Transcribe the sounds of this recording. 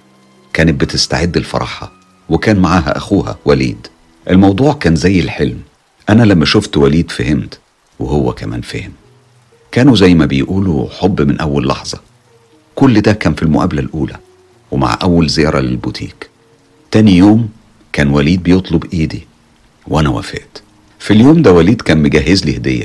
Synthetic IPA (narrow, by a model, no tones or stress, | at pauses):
kæːnɪt̪̚bɪt̪ɪst̪a̰ʕed̪ːelfɑ̰ɾˤɑ̰ːħɑ̰ | wekæːnmaʕaːɦæ̰ʔæxuːhæ̰wælḭːd̪ | ʔelmɑwd̪ˤuːʕkæːnzæjːelħelm | ʔænælæmːæʃoft̪wæliːd̪fæhɪmt̪ | wehowːækæmæ̰ːnfæːhɪm | kæːnuzæjːmæbejʔuːluħobːmɪnʔæwːælːɑ̰ħzˤɑ̰ | kolːd̪ækæːnfilmoʔæ̰blælʔuːlæ̰ | wema̰ʕʔæwːælzejɑːɾˤɑlelbut̪ʰḭːk | t̪æːnijoːm | kæːnwæliːd̪̚bejot̪ˤlobʔiːd̪i | wʔænæwæ̰fḛʔt̪ | filjoːmd̪æwæliːd̪kæːnmeɡæɦːezlihd̪ejːæ̰